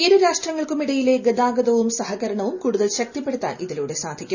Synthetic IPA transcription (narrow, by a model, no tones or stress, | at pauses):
eːɾuɾaːʂʈrɐŋːɐɭkumiɽɐjile̞ɡɐd̪aːɡɐðɐʋumsɐhɐɣɐɾɐɳɐʋumkuːɽuðɐlɕɐk̚t̪ipːe̞ɽut̪ːa̰ːnʔiðiluːɽesaːd̪ʱikʲːum